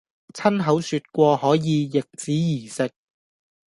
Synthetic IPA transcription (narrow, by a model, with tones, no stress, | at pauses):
t͡sʰɐ˥nɦɐ˨˥wsyː˧t̚kʷɔː˧hɔː˨˥jiː˨˧jɪ˨k̚t͡siː˨˥jiː˨˩sɪ˨k̚